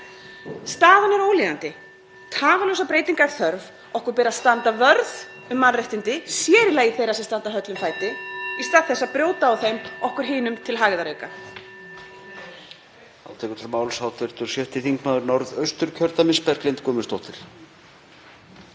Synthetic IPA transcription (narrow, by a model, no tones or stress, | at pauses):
st̪aːðanaɾoːwliːðant̪ɪ | t̪ʰaːvalœwsapɾeːjt̪iŋkaɾ̥θœɾv | ɔhkʏɾpɛːɾaðst̪ant̪avœɾð | ʏmːanrejht̪ɪnt̪ɪsjɛːɾɪlaɣiθejɾasɛ̥st̪ant̪aɦœt̪lʏmfaːjt̪ɪist̪aːðθɛsːapɾjoːwt̪aːwθejmɔhkʏɾ̥ɦɪːnʏmt̪ʰɪlɦaːɣɪðaɾœɥka | a̰ːwt̪ʰɛkʏt̪ʰɾmaːwlsawt̪ʰɛɾ̥t̪ʏɾ̥sjœht̪ɪθiŋkmaðʏɾnɔɾðœɥst̪ʏɾcʰœɾt̪amɪspɛɾklejnt̪kʰɔːmɪst̪ɔht̪ɪɾ̥